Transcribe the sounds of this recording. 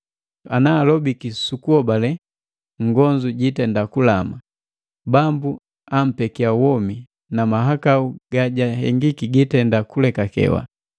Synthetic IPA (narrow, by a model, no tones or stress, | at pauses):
anaːlɔbikisukuɔbalɛ | ŋɡɔɲd͡ʒuɟitɛndakulama | bambu | am̩pɛkiawɔmi | namaɦakauɡ̥aɟahɛŋɡikiɡitɛndakulɛkakɛ̰wa̰